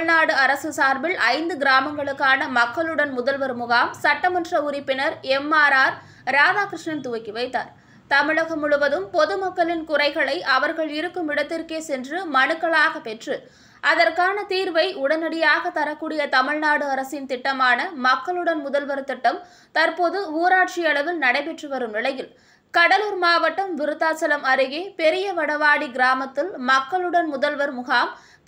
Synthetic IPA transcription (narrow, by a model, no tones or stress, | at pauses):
naːɽɯɐɾɐsɯsaːɾbɪlʔɐɪnd̪ɯɡɪɾaːmɐŋɡɐɭɯkːaːnɐmɐkːɐɭɯɽɐnmʊðɐlʋɐɾmʊɣaːmsɐʈːɐmɐndrɐʊɾɪpːɪnɐɾɛmːaːɾaːɾ | ɾaːðaːkɾɪʂɳɐnt̪ʊʋɐɪkːɪʋɐɪt̪ːa̰ːɾ | t̪ɐmɪɭɐɣɐmʊɻʊʋɐðɯmpɔðɯmɐkːɐɭɪnkʊrɐɪɣɐɭɐɪʔɐʋɐɾɣɐɭɪɾɯkːɯmɪɽɐt̪ːɪrkeːsɛndrɯmɐnɯkːɐɭaːɣɐpɛʈrɯ | ʔɐðɐrkaːnɐt̪iːɾʋɐɪʊɽɐnɐɽɪjaːɣɐt̪ɐɾɐkːuːɽɪjɐt̪ɐmɪɭnaːɽɯɐɾɐsɪnt̪ɪʈːɐmaːnɐmɐkːɐɭɯɽɐnmʊðɐlʋɐɾt̪ɪʈːɐm | t̪ɐɾpoðɯuːɾaːʈ̚t͡ʃɪɐɭɐʋɪlnɐɽɐɪpɛʈrɯʋɐɾɯmnɪlɐjɪl | kɐɽɐlɯːɾmaːʋɐʈːɐmʋɪɾɯt̪ːaːt͡ʃɐlɐmɐɾɪɣeːpɛɾɪjɐʋɐɽɐʋaːɽiɡɪɾaːmɐt̪ːɪlmɐkːɐɭɯɽɐnmʊðɐlʋɐɾmʊɣaːm